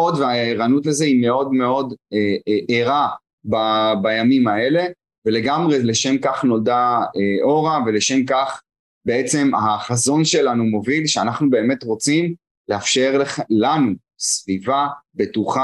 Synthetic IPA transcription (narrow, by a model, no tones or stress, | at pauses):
odveaeʁanutlezeime̞o̞dme̞o̞deʔeʁa | babajamimae̞le̞ | vele̞ɡamʁe̞le̞ʃemkaχno̞ldaeʔo̞ʁave̞leʃe̞mkaχ | be̞et͡se̞mhaχazo̞nʃe̞lanumo̞vilʃeanaχnube̞ːme̞tʁo̞t͡sim | leafʃe̞ʁlanu | svivabe̞tuχa